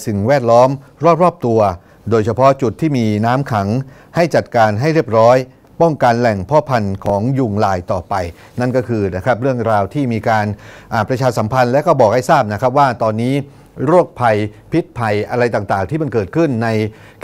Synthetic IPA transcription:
sɯ˨˩ŋwɛː˥˩t̪̚lɔː˦˥mɾɔː˥˩p̚ɾɔː˥˩p̚t̪u˧ɐ | doː˧jt͡ɕʰa˧pʰɔ˦˥t͡ɕu˨˩t̪ʰːiː˥˩miː˧naː˦˥mkʰa˩˦ŋ | ha˥˩jt͡ɕa˨˩t̪̚kaː˧nɦa˥˩jɾi˥˩əp̚ɾɔː˦˥j | pɔ˥˩ŋka˧nlɛ˨˩ŋpʰɔː˦˥pʰa˧nkʰɔː˩˦ŋju˧ŋlaː˧jt̪ɔː˨˩pa˧j | na˥˩nkɔː˥˩kʰɯː˧na˦˥kʰɾa˦˥p̚ɾɯ˥˩əŋɾaː˧wt̪ʰiː˥˩miː˧kaː˧nʔaː˨˩pɾa˧t͡ɕʰaː˧sa˩˦mpʰa˧nlɛ˦˥wkɔː˥˩bɔː˨˩k̚ha˥˩jsaː˥˩p̚na˦˥kʰɾa˦˥p̬̚waː˥˩t̪ɔː˧nːiː˦˥ | ɾuː˥˩ək̚pʰa˧jpʰi˦˥t̪̚pʰa˧jʔa˧ɾa˧jt̪aː˨˩ŋt̪aː˨˩ŋt̪ʰiː˥˩ma˧nkɤː˨˩t̪̚kʰɯ˥˩nːa˧j

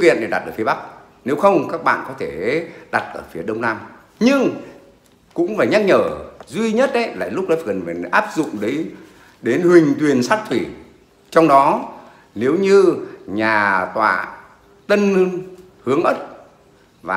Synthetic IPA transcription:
kḭ˧˨ənɗʰi˨˩ɗa˨˩t̚ʔəː˧˩fi˨˦a˦˥k̚ | ne˨˦wxə˧wŋ͡mkaː˦˥k̚ɓa̰ː˧˨nkɔ˨˦t̪ʰe˧˩ɗa˨˩t̚ʔəː˧˩fi˨˦ɗə˧wŋ͡mnaː˧m | ɲɨ˧ŋ | kʊ̰˧˥ŋ͡mfaː˧˩jɲa˦˥k̚ɲəː˧˩zwi˧ɲə˦˥t̚ʔə˨˦jla̰ː˧˨jlʊ˦˥k͡p̚ɗɔ˨˦˧kə˨˩nvaː˨˩˨ʔaː˦˥p̚zʊ̰˧˨ŋ͡mɗə˨˦j | ɗe˨˦nhwï˨˩ŋ̟t̪wi˨˩ənsaː˦˥t̚t̪ʰwi˧˩ | t͡ɕɔ˧wŋ͡mɗɔ˨˦ | ne˨˦wɲɨ˧ɲaː˨˩t̪wa̰ː˧˨ | t̪ə˧nn | hɨ˨˦əŋʔəː˦˥t̚ | vaː˨˩

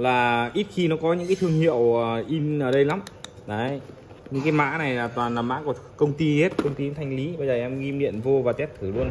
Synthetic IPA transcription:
laː˨˩ʔi˦˥t̚xi˧nɔ˨˦kɔ˨˦ɲɨ̰˧˥ka˨˦t̪ʰɨ˧əŋhḭ˧˨əwə˨˩ʔi˧nʔəː˨˩ɗə˧jla˨˦m | zə˨˦j | ɲɨ̰˧˥ŋkaː˨˦jma̰ː˧˥na˨˩jlaː˨˩t̪waː˨˩nlaː˨˩ma̰ː˧˥ku˧˩əkə˧wŋ͡mt̪i˧he˦˥t̚kə˧wŋ͡mt̪i˧˦t̪ʰa˧jŋ̟li˨˦ɓə˧jzəː˨˩ʔɛ˧mɣi˧mɗḭ˧˨ənvo˧vaː˨˩t̪ɛ˦˥t̚t̪ʰɨ˧˩lu˧ən

